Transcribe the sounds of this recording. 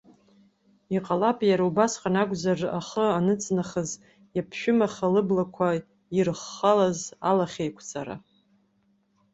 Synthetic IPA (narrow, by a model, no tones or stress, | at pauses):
iqʼalapʼjaɾaubasqʼanakʷʼzara̰χəanɨt͡sʼnaχəz | japʰʃᶣʊmaχalɨblakʷʰa | irχːalazalaχʲejkʷʰt͡sʰʼaɾa̰